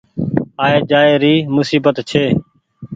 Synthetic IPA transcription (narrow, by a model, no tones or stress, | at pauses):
aːeːd͡ʒaːeːɾiːmʊsiːbət̪t͡ʃʰeː